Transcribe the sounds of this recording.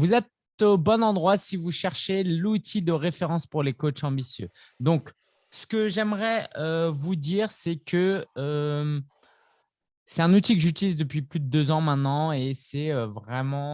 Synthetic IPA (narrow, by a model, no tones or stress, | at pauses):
vuzɛt̪ | obɔnɑ̃d̪ʁwasivuʃɛʁʃelut̪ʰid̪əʁefeʁɑ̃spuʁlekot͡ʃɑ̃bisjø | d̪ɔ̃k | sə̥kəʒɛmʁɛøvud̪iːʁsɛkʰəø | sɛt̪ɛ̃nut̪ikəʒyt̪ilizd̪əpɥiplyd̪əd̪øzɑ̃mɛ̃t̪nɑ̃esɛøvʁɛmɑ̃